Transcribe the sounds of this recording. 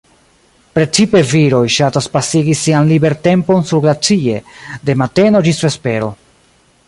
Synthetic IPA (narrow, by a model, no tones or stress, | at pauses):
pɾe̞t͡sipe̞viɾo̞jʃataspasiɡisianlibe̞ɾte̞mpo̞nsuɾlat͡sie̞̰de̞mate̞no̞d͡ʒisfespe̞ɾo